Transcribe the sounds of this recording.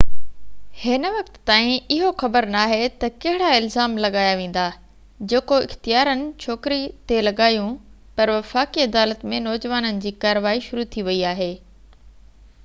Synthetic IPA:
hɪnʋɐkt̪ːãːĩɪɦoxɐbəɾnaːɦet̪ɐkɐɦɪɽaɪlzaːmlɐɠaːjaʋẽːn̆d̪aː | d͡ʑeːkoɪ̰xt̪ijaːɾənɪ̆t͡ɕʰoːkɾit̪elɐɠaːjũ | pɐɾʋɐfaːkiɐd̪aːlət̪mẽnɔːd͡ʑəʋaːnənɪ̆d͡ʑiːkaːɾəʋaːiʃʊɾut̪ʰiʋɐiaːɦeː

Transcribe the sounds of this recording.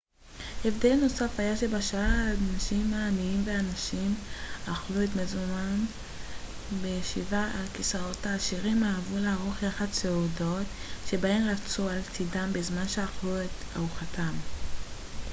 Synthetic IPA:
efdelno̞safajaʃebaʃaadnaʃimaːniimveanaʃimaχluetmezuman | bejʃivaalkisaʁo̞taːʃiʁimaːvulaaʁoχjaχadt͡seudo̞tʃe̞baemʁat͡sualtidambezmanʃeaχlueta̰uχatʰam

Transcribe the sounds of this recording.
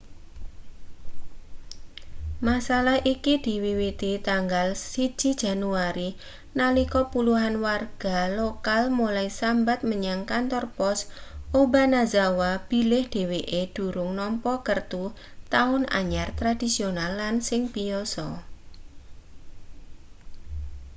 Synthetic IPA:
masalahʔikid̪̥i̤wiwit̪it̪aŋɡalsi̥d͡ʒ̥id̥d͡ʒ̥a̤nuaɾi | nalikɔpuluɦanwarɡ̥alokalmulaisambat̪̚məɲaŋkant̪ɔrpɔsʔobanazawab̥i̤lɪhd̪̥e̤weʔed̥ṳɾʊŋnɔmpɔkərt̪u | t̪aʊna̰ɲart̪ɾad̥isionalːansɪŋpiɔsɔ

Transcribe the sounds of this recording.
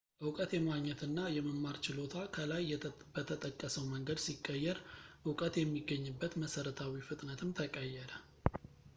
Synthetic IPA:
ʔɨwkʼət̪jɛmaɡɲɛt̪ɨnːajɛməmːaɾt͡ʃɪlo̞t̪ʰakʰəlaj | b̥ət̪ʰət̪ʼəkʼːəsəwməŋɡəd̪sikʼːəjːɛɾʔɨwkʼət̪jɛmːiɡːəɲːɨbːət̪məsəɾət̪ʰawifɨt̪ʼnət̪ʰɨmt̪ʰəkʼəjːɛɾə

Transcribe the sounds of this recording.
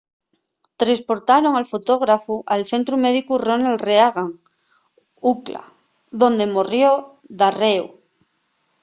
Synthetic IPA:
t̪ɾespoɾt̪aɾo̞ŋalfot̪oɣ̞ɾafuʔalθe̞nt̪ɾumeðikuronalreaɣaŋ | ukla̰ | ðõ̞nd̪emorjo | ðareu

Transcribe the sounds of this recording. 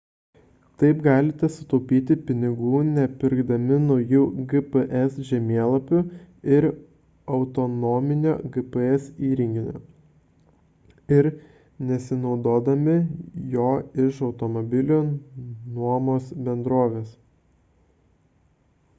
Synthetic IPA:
t̪ɐɪpɡɑːlʲɪt̪ʲɛsʊt̪ɔʊpʲiːt̪ʲɪpʲɪnʲɪɡuːnʲɛpʲɪɾɡd̪ɐmʲɪnɔʊjuːɡɨpəʔɛsʒʲɛmʲeɛlˠɐpʲʊɪɾ | ɐʊt̪ɔnɔːmʲɪnʲoːɡɨpəɛsiːɾʲɪŋʲɡʲɪnʲo̰ː | ɪɾ | nʲɛsʲɪnɒʊd̪oːd̪ɐmʲɪjoːɪʃɐʊt̪ɔmɔbʲɪlʲoːnuɔmoːsbʲɛnd̪ɾoːʋʲeːs

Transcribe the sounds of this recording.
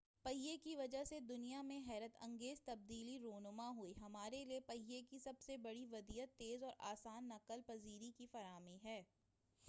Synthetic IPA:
pɐɦijekiʋɐd͡ʒaɦsed̪ʊnijamẽɦɛːɾət̪ɐ̰̃ŋɡeːzt̪ɐb̚d̪iːliɾoːnʊmaɦʊiɦɐmaːɾeliepɐɦijekisɐbsebɐɽiʋɐd̪iːət̪ːeːzɔːɾa̰ːsaːnːɐqəlpɐziːɾikifɐɾaːmĩɦɛː

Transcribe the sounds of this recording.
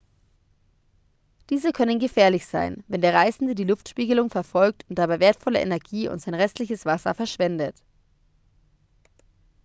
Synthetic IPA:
d̥iːzəkʰœnənɡəfɛːɐlɪçz̥a̰ɪnvɛndeːɐʁ̞aɪzn̩dədiːlʊftʃpiːɡəlʊŋfɛɐfɔlk̚tʊnt̚d̥abaɪveːɐtfɔlə̰ʔḛnɛɐɡiːʊ̰ntz̥aɪnʁɛstʰlɪçəsv̥asɐ̰fɛɐʃv̥ɛndət

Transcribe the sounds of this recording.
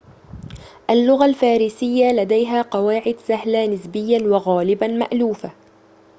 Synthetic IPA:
ʔalːʊɣalfaːɾiːsɪjːalad̪ajɦaːqɑwaːʕɪd̪saɦlanɪsbɪjːanwɑɣaːlɪbama̰ʔluːfa

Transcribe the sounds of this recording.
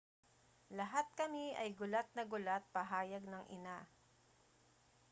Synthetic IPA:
lɐɦat̪̚kɐmiʔɐ̰jɡʊlat̪̚nɐɡʊlat̪̚pɐɦaːjɐɡ̚nɐŋʔɪ̰na

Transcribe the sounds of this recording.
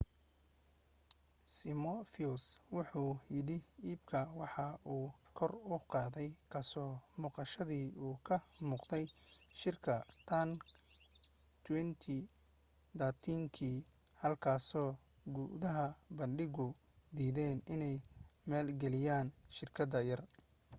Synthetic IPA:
sɪmɔfiuswʊħuːjɪɽɪiːbkʰɐwɑħɑʔuːkʰɔrʊqɑːðɛjkʰɐsɔːmuːqɑʃɐðiːuːkʰɐmuːqd̪ɛjʃɪrkʰɐt̪ʰɐn | t̪ʰwɛnt̪ʰi | d̪at̪ʰiŋkʰiː | hɐlkʰaːsɔː | ɡuːʔðɐɦɐbɐnɖɪɣʊ | d̪iːðɛːnɪnɛjmɛːlɡɛlɪjaːnʃɪrkʰɐðɐjɐr

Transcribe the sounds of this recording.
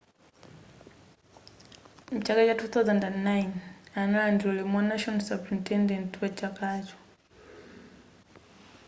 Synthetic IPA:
m̩t͡ʃakat͡ʃwatuːθawzandanːajnanaandiɔlɛmanaʃɔnsapɾintɛndɛntwat͡ʃakat͡ʃɔ̥

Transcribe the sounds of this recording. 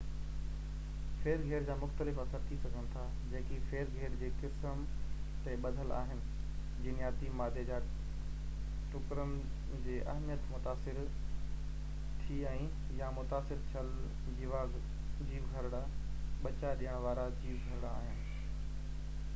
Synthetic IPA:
feːɾɡʱeːɾd͡ʑaːmʊxt̪əlɪfɐsəɾt̪ʰisɐɡʱəɽ̃̆t̪ʰa | d͡ʑẽːkifeːɾɡʱeːɾd͡ʑeːkɪs | m | t̪eɓɐd̪ʱəla̰ːɦɪnɪ̆ | d͡ʑɪnɪjaːt̪imaːd̪ʱed͡ʑaː | ʈʊkɾən | d͡ʑeːʔɐ̰ɦmijət̪mʊt̪aːsɪɾ | t̪ʰiɛ̃ː | jamʊt̪aːsɪɾt͡ɕʰəl | d͡ʑiʋaːz | d͡ʑiːʋɡʱɐɾɽa | ɓɐt͡ɕaɗiəɽ̃ʋaːɾad͡ʑiːʋɡʱɐɾɽa̰ːɦɪnɪ̆

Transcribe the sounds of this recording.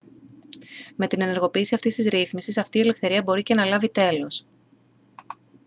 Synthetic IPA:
me̞t̪ine̞ne̞ɾɣo̞piːsiɐft̪ist̪izɾiθmisisɐft̪iːele̞fθe̞ɾiɐbo̞ɾice̞nɐlɐvit̪e̞lo̞s

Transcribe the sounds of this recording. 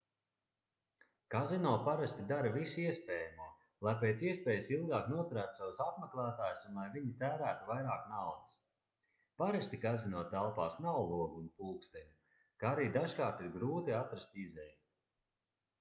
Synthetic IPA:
kazinuɔpaɾast̪id̪aɾavisiɛspeːjamuɔ | lˠajpeːt̪siɛspɛːjsilˠɡaːknuɔt̪uɾæːt̪sawsapmaklˠaːt̪aːjsunlˠajviɲit̪æːɾæːt̪uvajɾaːknawd̪ɐs | paɾast̪ikazinuɔt̪ælˠpaːsnawlˠuɔɡuːnpulˠkst̪ɛɲu | kaaɾiːd̪aʒkaːɾt̪iɾɡɾuːt̪iat̪ɾast̪izɛju

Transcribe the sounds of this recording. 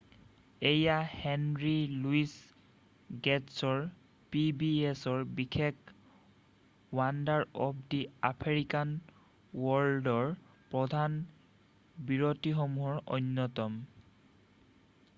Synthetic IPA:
ejahɛnɹiluis | ɡɛtsɔɹ | pibiesɔɹbikʰek | wandaɹɔpʰdia̰pʰeɹikan | wɔldɔɹ | pɹɔdʱan | biɹotixɔmuɦɔɹɔ̰njɔtɔm

